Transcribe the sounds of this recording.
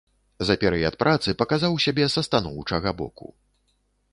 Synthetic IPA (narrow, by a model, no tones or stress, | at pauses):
zɐpʲɛɾɛjɐt̪̚pɾʔat̪sɨpɐkazawsʲabʲɛsɐst̪anɔwt͡ʂɐɣabɔ̰kṵ